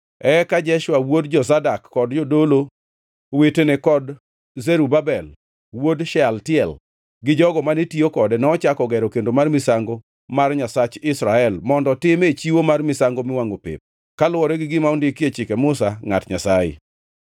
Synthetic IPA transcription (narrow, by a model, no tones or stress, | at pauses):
ɛkad͡ʒɛʃwawod̚d͡ʒɔsadakːɔdd͡ʒɔdolo | wetenekɔd | zɛɾubabɛl | wodʃɛaltɪɛl | ɡɪd͡ʒɔɡɔmanetiokɔdɛnɛɔt͡ʃakɔɡɛɾɔkendomarmɪsaŋɡo | marɲasat͡ʃɪsɾaɛlmɔndɔtɪmet͡ʃiwomarmɪsaŋɡomɪwaŋopɪ̰p̚ | kalʊwɔɾɛɡɪɡɪmaɔndikjet͡ʃɪkɛmʊsaŋa̰tɲasajɪ̰